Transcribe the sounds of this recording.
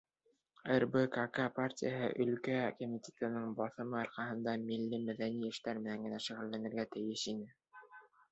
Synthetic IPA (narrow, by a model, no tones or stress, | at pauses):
erbɘkakaparʲtʲijaɦɤ̰ʔɵ̆lkækomʲitʲet̪ɤ̆nɤɴbɑθɤ̆mɤɑɾqɑɦɤ̆nd̪ɑmilːimæðæniɘ̆ʃt̪æɾmɘ̆næŋɡɘ̆næʃɘ̆ɣɘ̆lːænɘ̆ɾɡæt̪ɘ̆jɘʃinɘ